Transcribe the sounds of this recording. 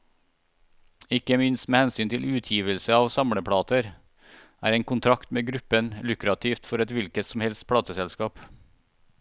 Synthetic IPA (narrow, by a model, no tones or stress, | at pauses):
ɪkəmɪnst̪meːhɛnsyːnt̪ʰɪlʉːt̪ʰjiːʋəlsəɑːʋsɑmɽəpʰɽɑːt̪əɾ | æ̰ːɾeːŋkʊnt̪ʰɾɑkt̪meːɡɾʉpənlʉkɾɑt̪ʰiːft̪fɔɾɛt̪ʋɪlkət̪sɔmhɛlst̪̚pʰɽɑːt̪əsɛlskɑːp